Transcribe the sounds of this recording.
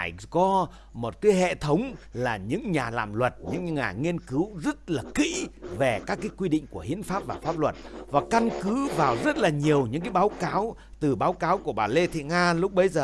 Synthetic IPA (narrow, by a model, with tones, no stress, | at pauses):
a˧˩jkɔ˨˧˦ | mo˨˩t̚kaː˨˦jɦḛ˧˨t̪ʰə˨˦wŋ͡mlaː˨˩ɲɨ̰˧˥ŋɲaː˨˩la̰ː˧˨mlwə˨˩t̚ɲɨ̰˧˥ŋŋaː˨˩ŋi˧ənkɨ˨˦wzə˦˥t̚laː˨˩kḭ˧˥ve˨˩kaː˦˥kːaː˨˦jkwi˧ɗḭ˧˨ŋ̟ku˧˩əhḭ˧˥ənfaː˦˥p̚vaː˨˩faː˦˥p̚lwə˨˩t̚vaː˨˩ka˧nkɨ˨˦vaː˨˩wzə˦˥t̚laː˨˩ɲi˨˩əwɲɨ̰˧˥ŋk̬aː˨˦jɓaː˨˦wkaː˨˦w | t̪ɨ˨˩ɓaː˨˦wkaː˨˦wku˧˩əɓaː˨˩le˧t̪ʰḭ˧˨ŋaː˧lʊ˦˥k͡p̚ɓə˨˧˦jzəː˨˩